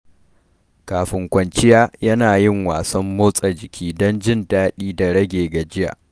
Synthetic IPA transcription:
kaː˨ɸɪ˨ŋkʷɐ˨nt͡ʃɪ˦jaː˦jɐ˦naː˨jɪ˦ŋwaː˨sɐ˦mːoː˦sʼɐ˨d͡ʒɪ˨kʲʰiː˦dɔ˦nd͡ʒɪ˦˨ndaː˦ɗiː˦da˨ɽɐ˦ɡʲeː˨ɡa˨d͡ʒɪ˦ja̰˨ʔ

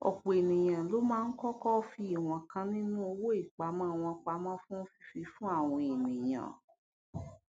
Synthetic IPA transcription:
ɔ̰˨k͡po˨e˨nĩ˨j̃ã˨lo˨˦mãː˦n̩˦kɔ˦kɔ˦˧fi˧i˦˨w̃ɔ̃˨kã˧nĩ˦nũ˦o˧wo˦i˦˨k͡pa˨˦mã˦˨w̃ɔ̃˧k͡pa˧˦mã˦fũ˦fi˧˦fi˧fũ˦a˦˨w̃ɔ̃˧e˨nĩ˨j̃ã̰˨

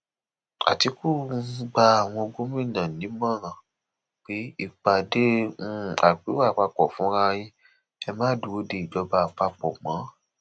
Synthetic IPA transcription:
a̰˨ti˧ku˦˨˦ɡ͡ba˧a˨w̃ɔ̃˧o˧ɡ͡bo˦mĩ˦˨nã˨nĩ˨˦mɔ̃˦˨ɾ̃ã˨ | k͡pe˨˦i˦˨k͡pa˨de˦ũ˦a˨k͡pi˨˦wa˦˨k͡pa˧k͡pɔ˨fũ˨˦ɾa˧j̃ĩ˦ | ɛ˧mãː˦du˨˦o˦de˧˨i˨d͡ʒɔ˨˧˦ba˧˨k͡pa˧k͡pɔ̰˨ɡ͡bã˨˦

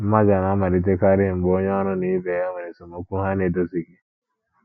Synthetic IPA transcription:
m̩˦ma˦d͡ʒa˨na˨˦ma˨ɾi˨t̬e˦ka˦ɾɪ˦˨m̩˨ɡ͡bo˦ɲe˦ɔ˦nʊ˦ni˦be˨ja˦ma˨ɾe˨so˨mo˨kʷu˦ɦa˦ne˨do˦si˨ki˦

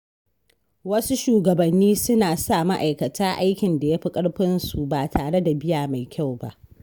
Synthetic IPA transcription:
wɐ˦su˦ʃuː˨ɡɐ˨bɐ˨nːiː˦sʊ˦naː˨sa˦˨ma˦ʔa˨jkɐ˨tʰaː˦ʔa˦jkʲɪ˨nda˨ja˦ɸi˦kʼɐ˦ɽɸɪ˦nsu˨baː˨tʰaː˨ɽe˦da˨bɪ˦jaː˨ma˨jkʲa˦˨wba̰˦ʔ

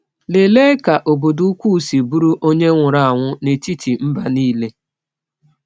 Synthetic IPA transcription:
le˨le˦ka˨ʔo˨bo˨du˦kʷu˦˨si˨bu˦ɾu˦ʔo˦ɲe˦ŋʷʊ˨ɾa˨a˨ŋʷʊ˦ne˨t͡ʃi˦t͡ʃi˨m̩˦ba˨niː˦le˦

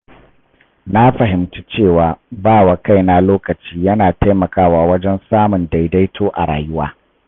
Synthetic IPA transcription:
na˦ɸɐ˨ɦɪ˨mtu˦t͡ʃeː˦˨waː˨baː˦˨wa˨ka˦jna˦loː˦kɐ˨t͡ʃiː˦jɐ˦naː˨ta˦jmɐ˨kaː˦waː˦wɐ˦d͡ʒɛ˦nsaː˦mʊ˨nda˨jda˦jtʰoː˦ʔa̰˨ɽa̰ː˨jʊ˦waː˦

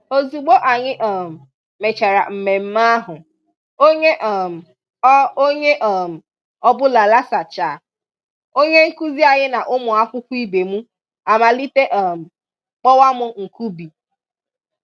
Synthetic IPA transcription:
o˨zu˨ɡ͡bo˦ʔa˨ɲɪ˦ʔɔ˨m̩˨ | me˨t͡ʃa˨ɾa̰˨m̩˨me˨m̩˦ma˦a˦ɦʊ˨ | o˦ɲe˦ʔ | o˦ɲe˦ʔm̩˨ | ɔ˦bʊ˦la˨la˦sa˨t͡ʃaː˨ | o˦ɲe˦ŋ̩˦ku˦zi˦a˨ɲɪ˦na˨ʔʊ˦mʊ˨a˦kʷʊ˦kʷʊ˦i˦be˨mu˦ | a˨ma˨li˦te˦ʔɔ˦˨m̩˨ | k͡pɔ˦wa˦mʊ˦ŋ̩˨ku˦bi˨

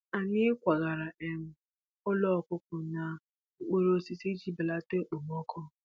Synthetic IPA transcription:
a˨ɲɪ˦kʷa˨ɣa˨ɾa˨e˦m̩˦ | ɔ˦lɔ˦ɔ˨kʊ˦kʊ˨na˨ | ŋ͡m̩˦˨k͡po˨ɾo˦si˨si˦d͡ʒi˦bɪ˨la˦te˦k͡po˨m˦ɔ˦kɔ˦

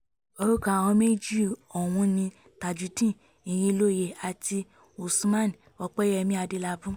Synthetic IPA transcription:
o˦ɾu˦kã˨ɔ̃˧˦me˦d͡ʒi˦˨ɔ˨w̃ũ˧nĩ˧ | ta˨d͡ʒu˨˦tĩ˦˨ | ĩ˨j̃ĩ˧˦lo˦˨je˨a˨ti˧ | o˨su˧mã˦˨n˨ɔ˧k͡pɛ˦ɛ˧mĩ˦a˧de˧la˧bũ˦

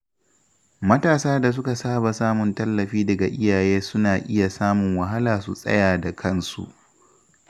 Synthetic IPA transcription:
mɐ˦taː˨saː˦da˨s̬ʊ˦ka˨saː˦ba˨saː˦mʊ˨ntɐ˦lːɐ˨ɸiː˦dɐ˨ɡa˨ʔɪ˦jaː˨jeː˦sʊ˦naː˨ʔɪ˦ja˨saː˦mʊ˨ŋwɐ˨ɦa˦laː˨sṵ˨sʼɐ̰˦jaː˨da˨kʰɐ˦˨nsṵ˨ʔ

